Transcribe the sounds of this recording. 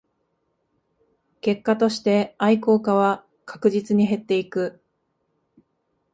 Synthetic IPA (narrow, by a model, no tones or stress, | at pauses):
ke̞kːat̪o̞ɕi̥t̪e̞aiko̞ːkaβa | kʰḁkɯ̟ʑit͡sɨɲ̟iɦe̞t̪ːe̞ikɯ̟